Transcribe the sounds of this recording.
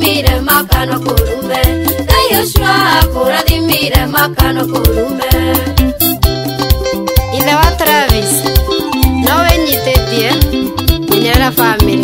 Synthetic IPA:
miɾɛmakanɔkoɾumɛdajoʃuaakoɾaðimiɾɛmakanɔkoɾumɛ | ilɛwat̪ɾavis | nɔweɲit̪ediɛmiɲɛɾafami

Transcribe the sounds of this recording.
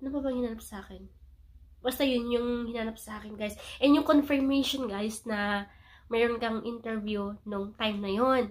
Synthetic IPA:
nɐbabɐŋhɪnaːnɐp̚sʔaːkɛn | bɐst̪ɐjʊnjʊŋhɪnaːnɐp̚sɐʔaːkɛnɡajsʔɛnjʊŋkonfɛɹmejʃonɡajsnɐ | mɛːɾonkɐŋʔɪnt̪ɛɹvjunʊŋt̪ajmnɐjon

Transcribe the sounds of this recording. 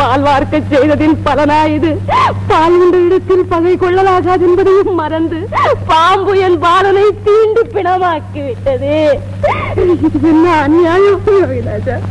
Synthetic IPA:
paːlʋaːɾkɐt͡ʃsɛjðɐðɪnpɐlɐnaːjɪðɯpaːlʋʊɳɖɐɪɽɯt̪ːɪlpɐɣɐɪkɔɭːɐlaːɣaːðɛnbɐðɐjɯmːɐɾɐnd̪ɯpaːmbɯjɐnpaːlɐnɐɪt̪iːɳɖɯpːɪɳɐmaːkːiʋɪʈːɐðeː | ɛnːɐːnɪjaːjɐɐɪlaːd͡ʒa

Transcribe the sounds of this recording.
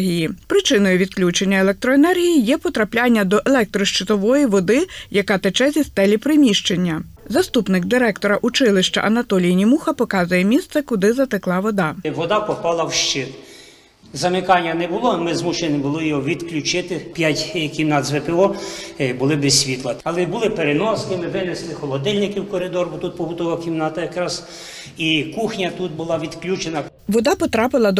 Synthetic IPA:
ɦʲijipɾɪt͡ʃɪnɔjʊʋʲid̪klʲut͡ʃenʲːɐelɛk̚t̪ɾɔenɛrɦʲijijɛpɔt̪ɾɐplʲɑnʲːɐd̪ɔʔelˠɛk̚t̪ɾɔʃt͡ʃɪt̪ɔʋɔjiʋɔd̪ɪjɐkɑt̪et͡ʃɛzʲist̪ɛlʲipɾɪmʲiʃt͡ʃenʲːɐ | zɐst̪upnɪɡd̪ɪɾɛkt̪ɔɾɐʔut͡ʃɪlˠɪʃt͡ʃɐ̰ʔɐnɐt̪ɔlʲijnʲimuxɐpɔkɑzʊjɛmʲist̪sɛkʊd̪ɪzɐt̪ɪklˠɑʋɔd̪ɑʋɔd̪ɑpɔpɑlˠɐwʃt͡ʃɪt̪ | zɐmɪkɑnʲːɐnɛbʊlˠɔmɪzmuʃenʲɪbʊlˠɔjɔɔʋʲid̪klʲut͡ʃɪt̪ɪpʲjatʲkʲimnɑd̪zʋɪpɪɔbʊlˠɪbesʲsʲʋʲit̪lˠɐɐlˠɛbʊlˠɪpeɾenɔsnɪmɪʋɪneslˠɪxɔlˠɔd̪ɛlʲnɪkɪwkɔɾɪd̪ɔɾbɔt̪ut̪̚pɔbʊt̪ɔʋɐkʲimnɑt̪ɐjɐkɾɑz | ikuxnʲɐt̪ut̪̚bʊlˠɑʋʲid̪klʲut͡ʃenɐ | ʋɔd̪ɑpɔt̪ɾɑpɪlˠɐd̪ɔ

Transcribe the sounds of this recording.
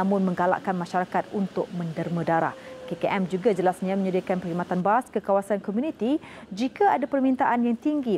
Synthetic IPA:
amʊ̃nmə̃ŋɡala̰ʔkanmãʃaɾakat̪̚unt̪ʊk̚mə̃ndərmə̃daɾa̰hkekeʔɛmd͡ʒuɡad͡ʒəlasɲãmə̃ɲədiakanpəɾimat̪anbaskəkawasankomjũnit̪i | d͡ʒikaadapərmĩnt̪aʔanjaŋt̪iŋɡi

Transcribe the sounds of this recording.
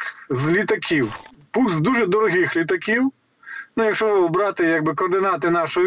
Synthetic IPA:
zlʲit̪ɐkʲiw | pukzd̪uʐɛd̪ɔɾɔɦʲixlʲit̪ɐkʲiw | nujɐkʃɔbɾɑt̪ɪjaɡ̚bɨkɔːrd̪ɪnat̪ɪnɑʃɔj

